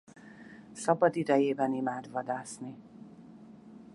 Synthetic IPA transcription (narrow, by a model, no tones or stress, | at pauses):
sɒbɒd̪id̪ɛjeːbɛnimaːd̪vɒd̪aːsni